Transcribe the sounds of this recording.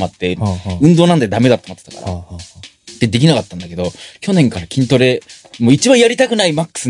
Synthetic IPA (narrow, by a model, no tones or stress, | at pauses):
mat̪ːe̞ɯ̟̃nd̪o̞ːnãnd̪e̞d̪ame̞d̪at̪ːomot̪ːe̥t̪ḁ̰ka̰ɾa̰ | d̪̥e̞d̪e̞k̬ʲinakat̪ːãnd̪ake̞d̪o̞kʲo̞nẽ̞ŋkaɾakʲĩnt̪o̞ɾe̞ | moːit͡ɕibãɰ̃jaɾʲit̪akɯ̟naimakːɯ̥sɨ